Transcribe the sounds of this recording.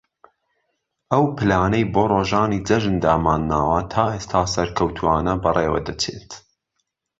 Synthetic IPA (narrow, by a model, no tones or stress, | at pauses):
ʔɐwpʰɨlaːnɐjboːroːʒaːniːd͡zɐʒɨnd̪aːmaːnːaːwɐt̪ʰaːʔeːst̪ʰaːsɐɾkʰɐwt̪ʰuaːnɐbɐreːwɐ̰d̪ɐt͡ʃʰḛt̪